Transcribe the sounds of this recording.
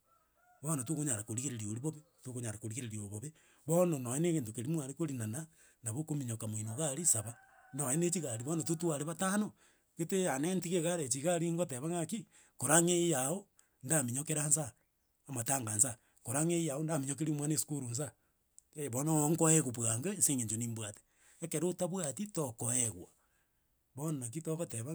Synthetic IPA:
βonotokoɲaɾakoɾiɣeɾeɾioɾiβoβetokoɲaɾakoɾiɣeɾeɾioβoβe | βononojeneɣentokeɾimuaɾekoɾinana | naβokomiɲokaminoɣaɾisaβanojenet͡ʃiɣaɾiβonotutwaɾeβatano | ketejanentiɣeɣaɾet͡ʃiɣaɾiŋɡoteβaŋaki | koɾaŋejao | ndamiɲokeɾansa | amataːŋɡansa | koɾaŋejaondamiɲok̬eɾimwanesu̥kuɾuns̬a | eβonoŋkoeɣopwaŋɡeeseŋeɲd͡ʒoniːmbwate̥ | ekeɾotaβwatitokoeɣwa | βonnak̬itokoteβa

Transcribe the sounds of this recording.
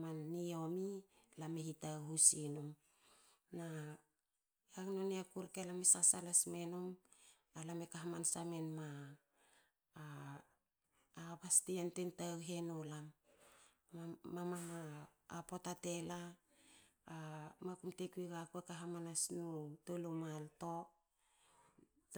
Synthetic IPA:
manːio̞milameɦitawɦusinom | na | aknoneakuɾkelamesasalasme̞nom | alamekaɦamansame̞nma | βastiantentawɦenulam | amamaː | po̞tate̞laː | makumtekuiɡakuekaɦamanasnutolumalto̞

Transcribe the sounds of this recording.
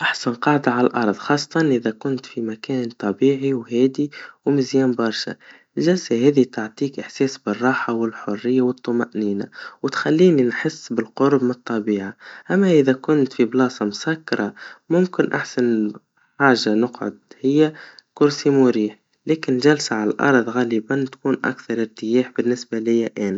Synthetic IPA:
ʔaħsanqɑʕd̪aʕalalʔɑ̰ɾˤðˤxɑːsˤːɑt̪ˤɑnʔɪðækʊnt̪fimækæːnt̪ˤɑbiːʕiwɦɛːd̪iwmɪzjɛːmbɑɾˤʃa̰ | lʒælsaɦɛːðit̪ʊʕt̪ˤiːkʔɪħsɛːsbɪrˤːɑːħawɪlħʊrːɪjːawət̪ˤːʊmaʔniːnawɪt̪xælːiːninħɪsːbɪlqʊɾbmɨt̪ˤːɑbiːʕaʔæmːæʔɪðækʊnt̪fiblɑːsˤɑmsækːɑɾˤɑmʊmkɪnʔa̰ħsan | ħaːʒanʊqʕʊ̰d̪̚hɪjːækʊɾsimʊɾiːħ | lɛːkɪnʒælsaʕalalʔɑ̰ɾˤðˤɣɑlibænt̪kuːnʔa̰kθɑɾˤɪɾt̪ɪjɛːħbɪnːɪsbalɪjːaʔæːnæ

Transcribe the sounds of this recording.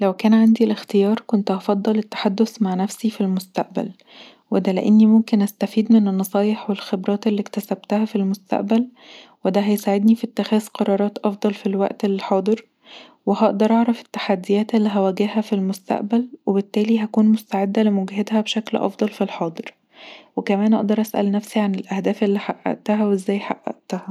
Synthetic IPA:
læwkæːnʕand̪ilext̪ejɑːɾˤkont̪ʔɑfɑd̪ˤːɑlet̪ːḁħad̪ːosmaʕnæfsifilmost̪a̰ʔbæ̰l | wed̪ælḛʔenːimomkenʔæst̪æfiːd̪menenːɑsˤɑːjeħwelxebɾˤɑːt̪elːikt̪æsæbt̪æhæfilmost̪a̰ʔbælwed̪æɦæjsaʕed̪nifit̪ːæxæːzqɑɾˤɑːɾˤɑːt̪ʔɑfd̪ˤɑlfilwæ̰ʔt̪elːħɑːd̪ˤɨɾ | weɦɑʔd̪ɑɾˤʔɑʕɾˤɑfe̥t̪ːḁħad̪ːɪjæːt̪elːiɦæwæːɡehɦæfilmost̪a̰ʔbælwebet̪ːæːliɦækuːnmost̪aʕed̪ːælemoɡɦed̪hæbeʃæklʔɑ̰fd̪ˤɑlfilħɑːd̪ˤɨɾ | wekæmæːnʔɑ̰ʔd̪ɑɾˤʔæsʔæ̰lnæfsiʕanelʔæhd̪æːfʔelːiħaʔːæ̰ʔt̪æɦæwezːæːjħa̰ʔːæ̰ʔt̪æhæ

